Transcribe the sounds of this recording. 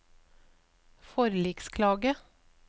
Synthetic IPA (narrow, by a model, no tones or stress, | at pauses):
fɔɾliːkskʰlɑːɡə